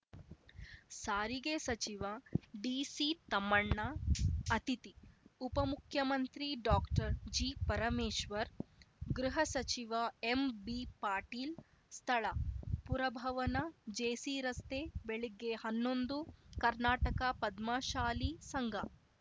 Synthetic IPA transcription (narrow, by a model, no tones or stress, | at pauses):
saːɾiɡeːsɐt͡ʃiʋɐɖiːsit̪ɐmːɐɳːɐɐt̪it̪iupɐmukʰjɐmɐnt̪ɾiɖaːkʈɐɾd͡ʒiːpɐɾɐmeːʃʋɐɾɡɾuɦɐsɐt͡ʃiʋɐembipaːɾʈiːl | st̪ʰɐɭɐpuɾɐbʱɐʋɐnɐd͡ʒeːsiɾɐst̪eːbeɭiɡehɐnːond̪ukɐɾnaːʈɐkapɐd̪maʃaːlisɐŋɡʱɐ